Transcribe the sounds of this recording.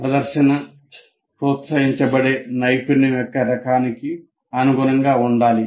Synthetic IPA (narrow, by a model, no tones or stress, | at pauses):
pɾɐd̪ɐɾʃɐnɐ | pɾut̪sɐjiɲt͡ʃɐbɐɽeːnɐjpinijɔkːɐɾɐkaːniki | ɐnuɡuɾɐŋɡaːuɳɖaːli